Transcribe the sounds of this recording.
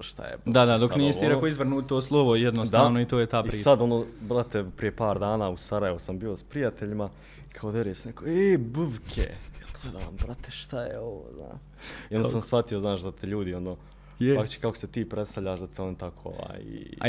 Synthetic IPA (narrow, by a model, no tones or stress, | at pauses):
ʃt̪a̰jḛd̪ad̪ad̪oknisiɾekoizʋr̩nuːt̪t̪oːslˠoʋojed̪nosd̪aːʋnoit̪oːjet̪aːpiiːsad̪o̞noːbɾat̪epɾijepaːɾd̪aːnaːusaɾaje̞ʋusambiːo̞spɾijat̪eʎima | ikʰaod̪jeɾeːsnekoebɨʋkʰḛjelɡ̥led̪aʋa̰mbɾat̪ʰeʃt̪ajḛoʋo̰ːzna̰ːʃ | ionasamsfat̪ijoznaːʃd̪at̪eʎuːd̪io̞noː | akt̪t͡ʃe̥kako̥set̪iːpɾet̪st̪aʋʎʲaːʃd̪at̪eo̞nit̪akʰoːo̰ʋa̰ːj̰